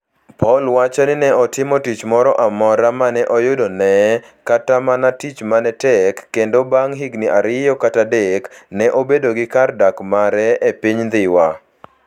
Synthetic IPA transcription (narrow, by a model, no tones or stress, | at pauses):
pʰɔlwat͡ʃanɪnɛɔtɪmɔtit͡ʃmɔɾɔʔamɔɾamanɛʔɔjʊdonɛ | katamanatit͡ʃmanɛtɛkːendobaŋɦiɡniʔaɾɪjɔkatadeknɛʔobedoɡɪkardakmaɾɛepiɲd̪ɪwa